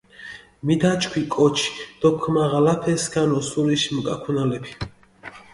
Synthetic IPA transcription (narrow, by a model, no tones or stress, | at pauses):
mid̪at͡ʃkʰwikʼɔt͡ʃʰi̥d̪̥ɔkʰmaʁalapʰɛsɡanɔsuɾiʃmkʼa̰kʰunalɛpʰi̥